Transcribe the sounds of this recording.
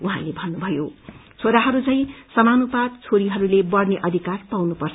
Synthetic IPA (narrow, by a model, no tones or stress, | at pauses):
uɦãlebʱʌnːubʱʌjot͡sʰoɾaɦʌɾut͡sʌ̃ĩsʌmanupad̪̚t͡sʰoɾiɦʌɾulebʌrneʔʌd̪ʱikarpawnupʌrt͡sʰ